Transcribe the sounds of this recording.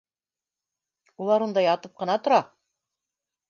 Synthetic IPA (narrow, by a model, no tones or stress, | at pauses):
ulˠɑɾund̪ɑjɑt̪ɤp̚qɤ̆nɑt̪ŏɾɑ